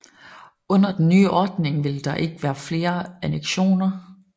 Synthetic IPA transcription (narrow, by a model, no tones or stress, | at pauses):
ɔ̽n̰ɐd̥enːy̰ːʔɒːd̥ne̝ŋʋe̝ld̥ɑ̈ʔe̝ɡ̥əʋæːɐfle̝ːɐæneɡ̥ɕo̝̰ːnɐ